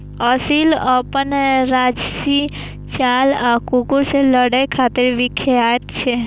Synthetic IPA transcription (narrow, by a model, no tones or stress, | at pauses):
əsiləpənɾad͡ʒsi | t͡ʃalakukuɾseləɽəjkʰat̪iɾʋikʰeat̪t͡ʃʰe